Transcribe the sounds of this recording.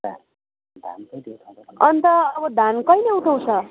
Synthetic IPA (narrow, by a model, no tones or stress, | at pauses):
da̰n | d̪ʱa̰nkʌjneut̪ʰãʌnt̪ʌʌbʌd̪ʱankʌjnʌuʈʰaw̃t͡sʰʌ